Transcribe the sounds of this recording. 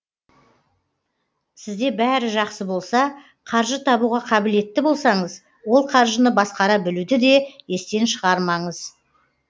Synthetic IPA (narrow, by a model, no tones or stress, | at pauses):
sɪzd̪e̞bæɾɪʒɑqsəbo̞lˠsɑ | qʰɑɾʒət̪ʰɑbuʁɑqʰɑbɪle̞t̪ːɪbo̞lˠsɑɴəz | wo̞lˠqʰɑɾʒənəbɑsqɑɾɑbɪlud̪ɪd̪e̞je̞st̪e̞nʃəʁɑɾmɑɴəz